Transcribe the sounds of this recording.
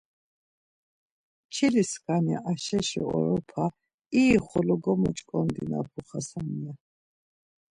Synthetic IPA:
t͡ʃʰiliskʰʼania̰ʔaʃɛʃɔ̰ɔ̰ɾɔpʰa | iːχɔlɔɡɔmɔt͡ʃʼkʼɔnd̪ina̰pʰuχasania

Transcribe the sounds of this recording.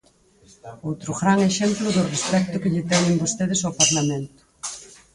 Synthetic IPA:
owt̪ɾʊɣɾaŋeʃemplʊðʊrespɛk̚t̪ʊkɪʎɪt̪ɛɲɪ̃mbost̪eð̞ɪsopaɾlamẽnt̪ʊ̥

